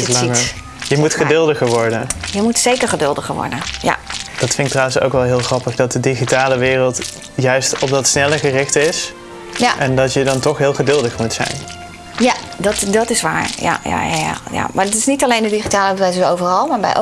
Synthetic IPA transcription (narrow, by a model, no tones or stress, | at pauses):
slɑŋə | jəmutχədøːlˠdəɣəɹʋɔɹdənjəmutsejkəɹχədɵlˠdəɣəɹʋɔ̰ɹdə̰nja̰d̥ɑtfɪŋk̚trawənso̰wkʋɛlˠɦɪːlˠχrɑpəχdɑt̚dədiχitaːləʋɪːrəlˠt | jœɥstɔp̚dɑtsnɛləχərɪxtɪs | aʔɛndɑtjədɑntɔxɦɪːlˠχədɵlˠdəχmutsɛ̰jn | ja | dtdɑtɪsʋa̰ːɹja̰ja̰ja̰ja̰ja̰maːdtɪsnitalejndədiχitaːləbəʋɛjsəowvərɑlˠmaːɹbɛ̰jʔ